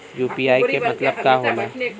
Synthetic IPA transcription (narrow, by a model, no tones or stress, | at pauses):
juːpiaːikemɐt̪ləb̚kaɦolaː